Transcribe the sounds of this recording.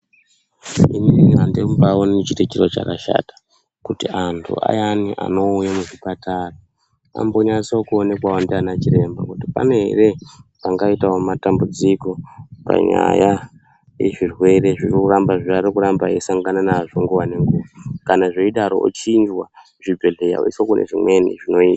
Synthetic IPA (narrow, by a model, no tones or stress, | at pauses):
inininandembawonet͡ʃiret͡ʃirot͡ʃa̰kaʃa̰tḁ | kutiantʰṵa̰janiʔa̰no̞ujamuʐipataːra | a̰mbo̞ɲasaokuone̞kwawondianat͡ʃire̞mba̰kutipa̰ne̞ɦḛre̞paŋɡaitaomatambud͡ziko̞pa̰ɲa̰ja | jeʐirwe̞re̞ʐirikurambaʐaɾikuɾambaesaŋɡananaʐoŋɡuwaneŋɡekanaʐe̞iɗaɾo̰ʔo̰t͡ʃind͡ʒwa | ʐ̥ibʱe̞ɮe̞ja̰o̰isokunʔḛʐimwe̞nḭʐino̞iːtḁ